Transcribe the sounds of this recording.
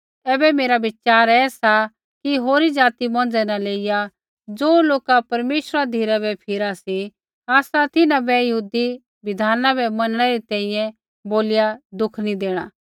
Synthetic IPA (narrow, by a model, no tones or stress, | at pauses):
ɛːbɛmeːɾabɪt͡ʃaːɾɛːsa | kiɦoːɾid͡ʒaːt̪imɔ̃ːnd͡zɛnɛleːɪja | d͡zoːloːkapɐɾmeːʃɾad̪ʱiːɾabɛpʰɪɾasi | aːsat̪ɪnãbɛjɐɦuːd̪i | ʋɪd̪ʱaːnãbɛmɐnəɽ̃ɛɾit̪ɛ̃ːĩjɛ̃ | boːlɪjad̪ʊkʰnĩd̪eːɽ̃a̰ː